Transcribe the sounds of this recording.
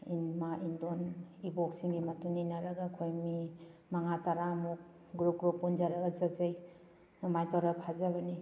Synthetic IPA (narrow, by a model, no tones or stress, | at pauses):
inmaʔindoniboksiŋɡimɐtunːinɐɾɐɡakʰojmimaŋataɾamuk̚ | ɡɾup̚ɡɾupːund͡ʒaɾɐɡɐzɐzɐj | numajtaɾɐpʰhazɐβɐni